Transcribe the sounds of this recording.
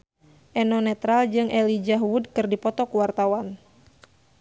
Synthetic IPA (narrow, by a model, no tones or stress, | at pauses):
ʔɛnɔnɛt̪ɾald͡ʒɨŋʔɛlid͡ʒaɦwudkɨrdipɔt̪ɔkuwart̪awan